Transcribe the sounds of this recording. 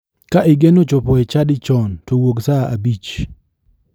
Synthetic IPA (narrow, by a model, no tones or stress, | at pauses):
kaʔɪɡenot͡ʃɔpɔɛt͡ʃadɪt͡ʃɔntowoɡsaʔabit͡ʃ